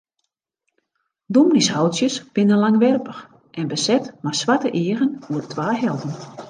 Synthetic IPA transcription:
dumnishɔwsjəsb̥ɪnənlaŋʋɛrpəx | ʔɛnbəsɛtmasʋatəʔɪːəɣənuərtʰʋaːɦɛlˠdən

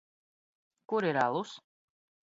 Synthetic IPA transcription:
kuɾiɾa̰lˠus

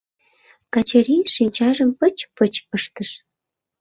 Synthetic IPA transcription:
kɑt͡ɕəɾiʃinʲt͡ɕɑʒəmpət͡ɕpət͡ɕəʃt̪əʃ

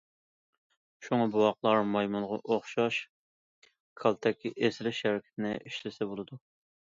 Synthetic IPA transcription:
ʃuŋɑbuwɑqlˠɑɾmɑjmunʁɑʔoχʃɑʃ | kʰɑlˠt̪ʰɛkʲʰiʔesɪlɪʃhæɾɪkʲʰɪ̥t̪ʰɪnɪʔiʃlɪsɛbolˠɨd̪u

